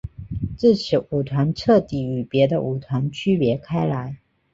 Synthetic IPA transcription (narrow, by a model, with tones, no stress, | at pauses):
t͡sɹ̩˥˩t͡ɕʰi˨˥u˨˩t̪ʰwa˨˧˥nʈ͡ʂʰɤ˥˧t̪i˥˩y˨˩pjɛ˨˧˥d̪ə˧ʔu˨˩t̪ʰwa˧˥nt͡ʃʰy˥pjɛ˧˦˥kʰa˥ɪla˨˧˦ɪ